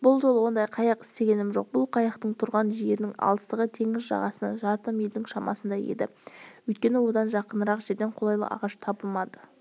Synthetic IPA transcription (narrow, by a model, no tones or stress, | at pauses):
bʊlˠʒo̞lˠwo̞nd̪ɑjqʰɑjɑqɪ̥st̪e̞ɡʲe̞nɪmʒo̞q̚bʊlˠqʰɑjɑqt̪əɴt̪ʰʊɾʁɑnʒijeɾɪnɪŋɑ̰lˠəst̪əʁət̪ʰe̞ŋɪzʒɑ̰ʁɑsənɑ̰ʒɑɾt̪ɑmjeld̪ɪŋʃɑmɑ̰sənd̪ɑje̞̰d̪ɪ̰ɵjt̪̚kʲe̞nɪwo̞d̪ɑnʒɑqənəɾɑqʒe̞ɾd̪eɴqʰolˠɑjlˠə̰ʔɑ̰ʁɑʃt̪ʰɑbəlˠmɑd̪ə